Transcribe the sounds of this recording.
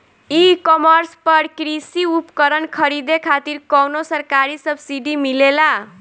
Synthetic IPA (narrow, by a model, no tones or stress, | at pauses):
ikʌmʌrspʌrkɾisiupkʌɾʌnkʰʌɾid̪ekʰat̪irkʌwnosʌrkaɾisʌbsiɖimilela